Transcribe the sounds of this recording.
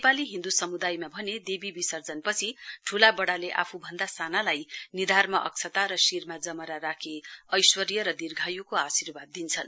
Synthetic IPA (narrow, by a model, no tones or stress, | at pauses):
nepaliɦĩnd̪usʌmud̪ajmabʱʌned̪ebibisʌrd͡zʌnpʌt͡sʰiʈʰulabʌɽaleʔa̰pʰubʱʌnd̪asanalajnid̪ʱarmaʔʌ̰k̚t͡sʰʌt̪aɾʌsirmad͡zʌmʌɾaɾakʰeʌjswʌɾjʌɾʌd̪irɡʱajukoasirbad̪̚ːint͡sʰʌn